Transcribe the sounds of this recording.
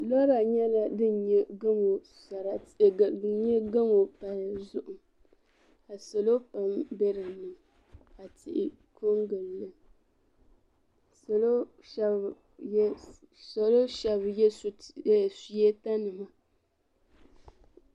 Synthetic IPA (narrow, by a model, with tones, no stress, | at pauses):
lɔ˦ɾa˨ɲɛ˦la˨dɨ˦n˨ɲɛ˦ɡɨ˦mo˨ | sa˨ɾa˨ɨ˦ɲɛ˦ɡa˦mo˨pa˨lzʊ˨ʔʊ˨m | ka˨sa˨lo˦pa˨mbe˦ɾɨ˨nɨ˨m | ka˨tɪ˨ʔɪ˨ | kʰo˦ŋɡɨ˨lːɨ˦ | slo˦ | ʃb | sa˨lo˦ʃɛ˨bjɛ˦ssjɛ˦ta˦nɨ˨ma˦